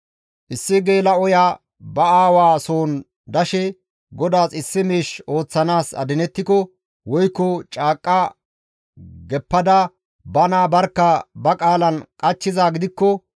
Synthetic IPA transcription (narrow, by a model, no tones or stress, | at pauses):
ʔɪsːɪɡe̞ːlɐɔjaː | bɐaːwaːsoːn | d̪ɐʃɛ | ɡɔd̪aːsɪsːɪmeːʃo̞ːt͡sːɐnaːsɐ̰d̪ɪnɛt̪ːɪkɔ | wɔjkːɔt͡ʃʼaːkʼːɐ | ɡɛpːɐd̪ɐ | bɐnaːbɐɾkːɐbɐkʼaːlɐnkʼɐt͡ʃːɪzaːɡɪd̪ɪkːɔ